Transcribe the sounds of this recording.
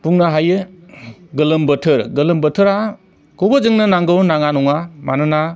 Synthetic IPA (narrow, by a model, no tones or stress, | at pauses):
puŋnaɦajɯ | ɡɯlɯmbətʰɯɾɡɯlɯmbətʰɯɾa | kobɯd͡ʒɯŋnɯnaŋɡɯwnaŋanɔŋamanɯna